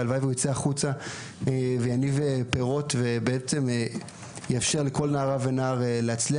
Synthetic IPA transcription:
alvajvujot͡seaχut͡sa | evejanivepeʁo̞tve̞beet͡se̞me | jafʃe̞ʁleko̞lnaːʁavenaːʁeleat͡sli

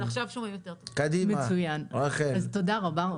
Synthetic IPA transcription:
aχʃavʃomejot̪eʁt̪okad̪imemat͡sujanaχezt̪odaʁaba

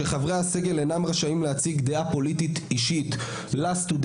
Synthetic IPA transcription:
eχavʁease̞ɡe̞lenamʁaʃaimlehat͡siɡd̪eapo̞lit̪it̪iʃit̪ | last̪ud̪

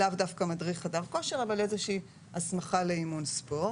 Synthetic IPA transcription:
lavdafkamadʁiχadavko̞ʃe̞ʁavalezeʃiː | asmaχaleimunspo̞

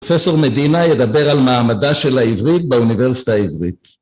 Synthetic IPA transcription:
feso̞ʁmed̪inajed̪abe̞ʁalmaːmadaʃe̞laivʁit̪̚beuniveʁsi̥t̪aivʁit̪

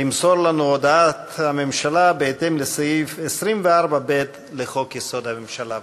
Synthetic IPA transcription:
imso̞ɾlanuod̪aat̪hamemʃalabeet̪emlesajifesʁimveaʁbabet̪ | leχo̞kjeso̞d̪hamemʃala

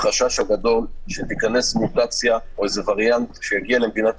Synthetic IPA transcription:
χaʃaʃhaɡad̪o̞lʃet̪ikane̞smut̪at͡sjaoezevaʁjant̪ʃejaɡialemd̪inat̪

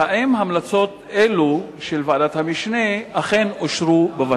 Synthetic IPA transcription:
aʔemhamlat͡so̞t̪ | elu | ʃelvaadat̪hamiʃneaχe̞noʃʁubeva

